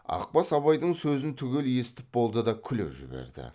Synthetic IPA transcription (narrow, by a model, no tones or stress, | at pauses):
ɑ̰q̚pɑsɑbɑjd̪əɴsɵzɪnt̪ʰʏɡʲe̞lje̞sɪ̥t̪ɪp̚bo̞lˠd̪əd̪ɑkʲʰʏlḛpʒɪ̰bḛɾd̪ɪ̰